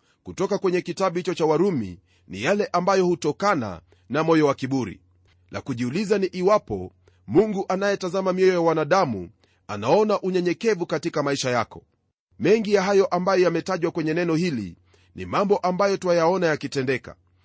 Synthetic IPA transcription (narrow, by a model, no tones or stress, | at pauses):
kutɔkakwɛɲɛkitaɓuhit͡ʃɔt͡ʃawaɾumḭ | nḭjalɛʔambajɔhutɔkana̰ | namɔjɔwakiɓuɾḭ | na̰kuʄiulizaniʔiwapɔ̰ | muŋɡuʔanajɛtazamamiɔjɔjawanaɗamṵ | a̰naɔnaʔuɲɛɲɛkɛvukatikamaiʃajakɔ̥ | mɛŋɡijaɦajɔʔambajɔjamɛtaʄwakwɛɲɛnɛnɔhilḭ | nḭmambɔʔambajɔtuwajaɔnajakitɛndɛka̰